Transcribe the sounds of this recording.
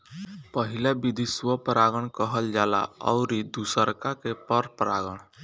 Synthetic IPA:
pəɦilabid̪ʱiswəpɾaɡəɽ̃kəɦəld͡ʒala̰ɔ̰ʊɾid̪usəɾkakepəɾpɾaɡəɽ̃

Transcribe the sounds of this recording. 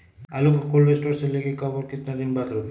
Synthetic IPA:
alukʰakulɾesʈoɾselekekʰɔboɾkit̪nad̪inbad̪ɾu

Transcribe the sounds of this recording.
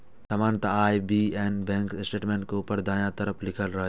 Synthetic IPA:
t̪ɐmãːnt̪ɐaːjbiːɛ̃ːnbɛ̃ːŋkɪsʈeːʈmẽːɳʈ̚kopəɾd̪aːjãt̪ɐɾəpʰlɪkʰəlɾɐɦe

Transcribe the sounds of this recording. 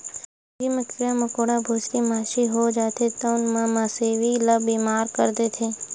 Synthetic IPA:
ɡimət̪ʰijaməkoːɽabʱoːskimaːʃiɦod͡ʒaːt̪ʰet̪aʊnmãmãseːʋiləbiːmaːɾkəɾd̪eːt̪ʰeː

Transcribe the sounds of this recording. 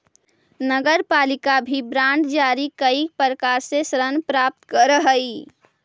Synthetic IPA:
nəɡəɾpaːlɪkabʱibɾãːɳɖd͡ʒaːɾikəipəɾəkaːɾsesɾənpɾaːp̚t̪kəɾəɦəi

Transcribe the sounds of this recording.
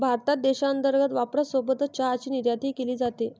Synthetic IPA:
bʱaɾt̪at̪̚d̪eɕaənt̪əɾɡət̪ʋapɾəsobət̪t͡ɕaːt͡ɕiːniɾjat̪iːkeliːd͡zat̪e

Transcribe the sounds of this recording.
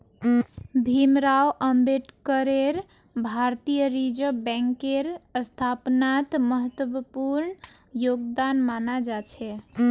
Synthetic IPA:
bʱimɾawʔəmbeʈkəɾeɾ | bʱaɾt̪ijəɾid͡ʒəbɛ̃ŋkeɾəst̪ʰapnat̪məɦət̪wəəpuɾn | joɡd̪anmanad͡ʒat͡ʃʰɛ

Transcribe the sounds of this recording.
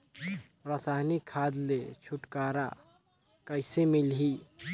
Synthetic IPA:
pɾasaɦnikʰad̪let͡ʃʰuʈkaɾa̰ | kəɪsemilɦi

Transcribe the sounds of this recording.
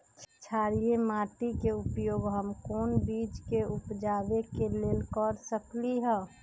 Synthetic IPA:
t͡ʃʰt͡ʃʰaːɾiemaːʈikeʊpjoːɡɦəmkoːnbiːt͡ʃkeʊpd͡ʒaːbekeleːlkɔɾsəkliɦɛː

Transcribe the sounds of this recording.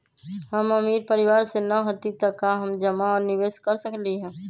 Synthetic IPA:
ɦəməmiːɾpəɾɪʋaːɾsenəɦot̪it̪əkaɦəmd͡ʒəmaɔːɾniʋeːskəɾsəkliɦɛ̃ː

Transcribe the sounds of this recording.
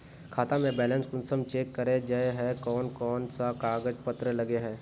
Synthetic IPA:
kʰaːt̪amẽbɛːlənskʊnsəmt͡ʃeːkːɐɾed͡ʒaeɦɛ̃kɔːnkɔːnsakaːɡəd͡ʒpɐt̪ɾəlɐɡeɦɛ̃ː

